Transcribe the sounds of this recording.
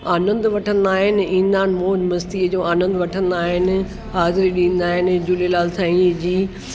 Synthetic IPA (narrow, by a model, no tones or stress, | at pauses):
aːnə̃nd̪ʋɐʈʰə̃nd̪aːɦɪnɪ̆ĩːnd̪aːɦɪ̃nɪ̆moːd͡ʑmɐst̪iːd͡ʑoːaːnə̃nd̪ʋɐʈʰə̃nd̪aːɦɪnɪ̆ | ɦaːzɪɾiɗĩːnd̪aːɦɪnɪ̆d͡ʑulelaːlsãːid͡ʑiː